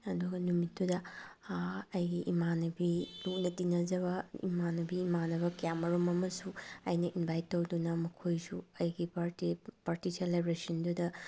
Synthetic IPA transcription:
ɐduɡɐnumitdudɐ | ɐjɡiʔimanɐbiluk̚nɐtinɐzɐβɐḭmanɐbiːmanɐbɐkjamɐɾomɐmɐsuɐjnɐʔinbʱajtːowdunɐmɐkʰojsuɐjɡipaipaɾtitʰelebɾesɐndudɐ

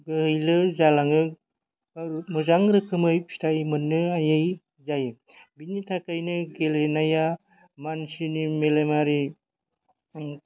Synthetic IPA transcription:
ɡɯɦɯjlɯzalaŋɯ | aɾmuzaŋɾɯkʰɯmɯjpʰi̥tajmɯnːɯajɯj | zaj | binitʰakajnɯɡelenaja | mansinimelemaɾi

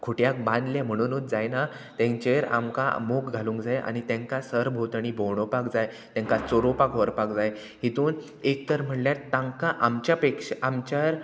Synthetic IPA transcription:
kʰoʈjak̚bãnd̪lam̤əɽ̃uːnut̪̚d͡zajna | t̪ẽɲt͡ɕeɾa̰mka̰mukɡʱalũːŋkd͡zajʔa̰ñit̪ɛ̃ŋkasəɾbʱot̪ɽ̃ibʱowɳ̃opakd͡zaj | t̪ãŋkat͡soɾopakʋɔɾpakd͡zaj | ɦit̪uːn | ek̚t̪əɾm̤əɽljat̪ːãŋkaʔamt͡ɕjapekʂʔamt͡ɕaɾ

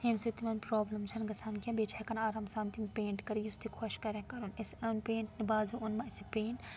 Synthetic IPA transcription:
t̪ʰimsit̪imɐnpɾoːblɐmt͡ʃʰɐnɡɐsʰankɐ̃beːt͡ʃʰakɐnaːɾaːmsaːnt̪impeːɳʈkɐɾijust̪ikʰoʃkɐɾẽkɐɾunesɐnpẽːɳʈnibaːzuunmɐ̃ɐsipeːɳʈ

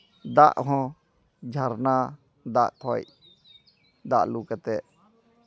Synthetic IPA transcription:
d̪a̰ʔɦɔ̃ | d͡ʒʱaɾna | d̪aʔt̪ʰɔj | d̪a̰ʔlukət̪ɛʔ

